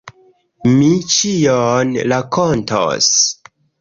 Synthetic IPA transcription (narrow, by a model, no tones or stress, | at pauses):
mit͡ʃijonɾakonto̰s